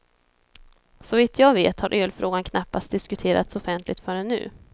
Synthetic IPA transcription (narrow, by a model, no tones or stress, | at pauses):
sɔviːt̪ʰjɑːvḛːt̪haɾʔøːlfɾoːɡankʰnapːast̪̚d̪ɪskɵt̪ʰeːɾʔa̰t̪sɔfɛnt̪ʰlɪɡt̪fœɾɛnːʉ̟̰ː